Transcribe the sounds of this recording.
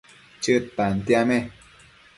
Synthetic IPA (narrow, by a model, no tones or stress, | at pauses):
t͡ʃɨt̪an̩t̪jamɛ